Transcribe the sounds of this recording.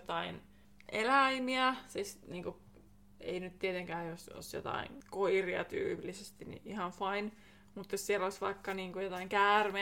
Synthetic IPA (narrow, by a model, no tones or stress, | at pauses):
t̪ɑin | ʔelæimiæsisniːŋku | ḛinyt̪t̪iet̪eŋkæːoso̰sjo̰t̪ɑ̰ḭŋkoiriɑ̰t̪y̰ːplːisest̪inḭʔihɑnfɑin | mut̪jossieloisʋɑikːɑniːŋkujot̪ɑiŋkæːrme